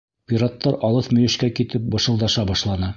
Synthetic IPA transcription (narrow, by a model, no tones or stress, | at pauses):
pʲiɾat̪ːɑɾɑlˠɤθmɵ̆jɘ̆ʃkækit̪ɘp̚bɤ̆ʃɤ̆lˠd̪ɑʃɑbɑʃlˠɑnɤ